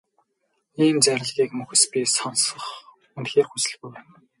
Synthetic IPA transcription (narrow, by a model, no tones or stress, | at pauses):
iːmt͡sæɾʲɪ̆ɮɣiːkmɵxɘ̆spʲisɔnsə̆χ | unt̪xeːrxusɘ̆ɮɣujwæːn